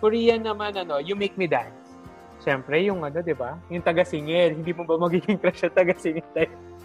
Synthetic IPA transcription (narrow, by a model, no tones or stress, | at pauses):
kʊɹijɐnːɐmanɐno̞jʊmejk̚mid̪a̰j | ʃɛmpɾɛjʊŋʔɐno̞d̪ɪbajʊŋt̪ɐɡɐsɪŋɛlhɪnd̪iːmobɐmɐɡiːɡɪŋkɾɛʃɐt̪ɐɡɐsɪŋɛlt̪ɐj